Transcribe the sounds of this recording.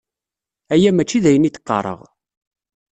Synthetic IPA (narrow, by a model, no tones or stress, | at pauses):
æjæmæt͡ʃːiðæjənit̪ːə̥qːɑ̰ɾˤə̰ʁ